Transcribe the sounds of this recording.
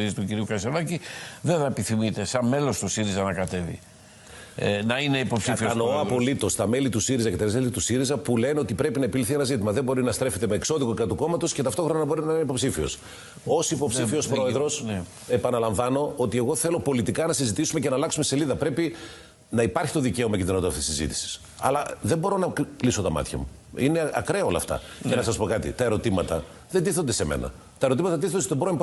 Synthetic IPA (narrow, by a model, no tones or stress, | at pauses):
ist̪uciɾiukɐsenɐciðeðɐepiθimit̪e̞sɐnme̞lost̪osiɾizɐnɐkɐt̪e̞vḭ | nɐine̞ipo̞psifioɐnooɐpo̞lit̪o̞st̪ɐme̞lit̪usiɾizɐcet̪ɐsmelit̪usiɾizɐpuleneo̞t̪ipɾe̞pinɐepiliθie̞nɐzit̪imɐðe̞mbo̞ɾinɐst̪ɾe̞fe̞t̪emeːkso̞ðikokɾɐt̪uko̞mɐt̪o̞sce̞t̪ɐft̪o̞xɾo̞nnɐbo̞ɾinɐineipo̞psifio̞̰s | o̞sipo̞psifio̞spɾo̞e̞ðɾo̞s | e̞pɐnɐlɐɱvɐno̞ot̪ie̞ɣo̞θe̞lo̞po̞lit̪ikɐnɐsizit̪isumece̞nɐlɐksume̞se̞liðɐpɾe̞pi | nɐipɐɾçi̥t̪o̞ðice̞o̞mɐcieɾnod̪oft̪isizḭt̪i̥si̥s | ɐ̰lɐðembo̞ɾo̞nɐkliso̞t̪ɐmɐ̰t̪çɐ̰mṵ | ḭneɐ̰kɾeɐo̞lɐ̰ft̪ɐ̰cenɐsɐspo̞kɐt̪ḭt̪ɐe̞ɾo̞t̪imɐt̪ɐ | ðe̞nd̪iθond̪e̞se̞mḛnʔɐ̰ | t̪ɐe̞ɾo̞t̪imɐt̪ɐt̪iθond̪est̪obɾoimp